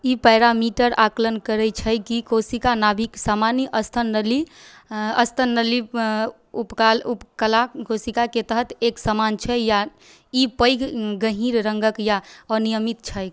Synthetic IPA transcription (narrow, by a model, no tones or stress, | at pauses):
ipɛɪɾamiʈəɾaklənkəɾɛt͡ʃʰəjkikosikanabʱiksamaniʔəst̪ʰənəli | əst̪ʰənəli | upkalupkəlakosikaket̪əɦət̪eksamant͡ʃʰɛja | ipəjkɡəɦiɾɾəŋɡəkjaənijəmit̪̚t͡ʃʰəj